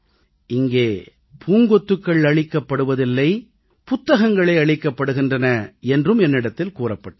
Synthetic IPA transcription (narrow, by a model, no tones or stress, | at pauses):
ɪŋɡeː | pʰuːŋɡɔt̪ːɯkːɐɭɐɭɪkːɐpːɐɽɯʋɐðɪlːɐɪ | pʊt̪ːɐɣɐŋɡɐɭɐɪɐɭɪkːɐpːɐɽɯɣɪndrɐnɐɛndrɯmɛnːɪɽɐt̪ːɪlkuːrɐpːɐʈːɐ